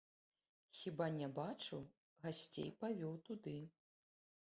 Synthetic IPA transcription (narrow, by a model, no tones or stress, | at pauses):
xʲibanʲɛbat͡ʂu | ɣasʲt͡sʲḛjpavʲɔwt̪ud̪ɨ